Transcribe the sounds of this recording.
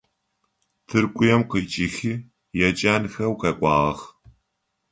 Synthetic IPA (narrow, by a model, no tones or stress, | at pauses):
tʰɨrkʷʼʊjɛmqiːt͡ʃʼɪxi | jɛt͡ʃʼaːnxɐwkʰɐkʷʼɑːʁɐx